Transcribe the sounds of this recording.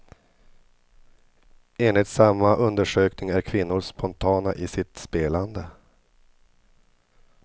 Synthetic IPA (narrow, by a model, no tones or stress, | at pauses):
eːnlɪɡt̪samːaʔɵnd̪əʂøːknɪŋæɾkʰvɪnːʊɾʂpʰɔnt̪ʰɑːnaʔɪsɪt̪speːland̪ə